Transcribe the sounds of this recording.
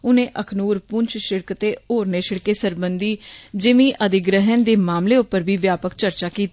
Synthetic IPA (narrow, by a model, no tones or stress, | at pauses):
ʊnẽːʔəkʰnuːɾpʊɲt͡ʃʰʃɪɽkt̪eːoːɾneːʃɪɽkeːsəɾbənd̪iːd͡ʒɪmĩːʔəd̪ɪɡɾəɦənd̪eːmaːmleːʊpəɾʋiːʋjaːpəkt͡ʃəɾt͡ʃaːkiːt̪a